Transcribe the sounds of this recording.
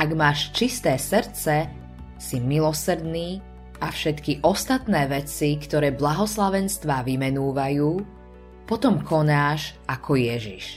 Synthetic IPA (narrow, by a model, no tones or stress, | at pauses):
ʔaɡmaːʃt͡ʃist̪ɛːsrɾt͡sɛ | similɔsɾ̩d̪niː | ʔafʃɛt̪kiʔɔst̪at̪nɛːʋɛt͡sikt̪ɔɾɛːblaɦɔslaʋɛnst̪ʋaːʋimɛnuːʋajuː | pɔt̪ɔmkʰɔnaːʃʔakʰɔjɛʒiʃ